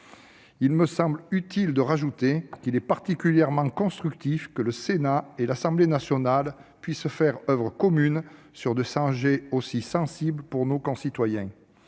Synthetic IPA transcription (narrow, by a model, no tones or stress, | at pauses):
ilməsɑ̃blyt̪ild̪əʁaʒut̪ekilɛpaʁt̪ikʲyljɛʁmɑ̃kɔ̃st̪χyk̚t̪ifkələsenaelasɑ̃blenasjɔnalpɥisfɛʁœvʁəkɔmyn | syʁd̪esɑ̃ʒeosisɑ̃sibləpuʁnokɔ̃sit̪wajɛ̃